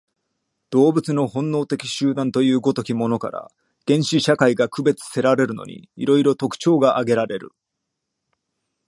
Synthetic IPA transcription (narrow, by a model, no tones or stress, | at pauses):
d̪̥o̞ːbɯ̟t͡sɨno̞hõ̞nːo̞ːt̪e̞kʲi̥ɕɨːd̪ãnt̪o̞jɯ̟ːɡo̞t̪o̞kʲimo̞no̞ka̰ɾa̰ | ɡ̥ẽ̞ɰ̃ɕiɕakaiɡakɯ̟be̞t͡sɨ̥se̞ɾaɾe̞ɾɯ̟no̞̰ɲ̟ḭiɾo̞iɾo̞t̪o̞kɯ̟̥t͡ɕo̞ːɡaʔaɡe̞ɾaɾe̞ɾɯ̟̰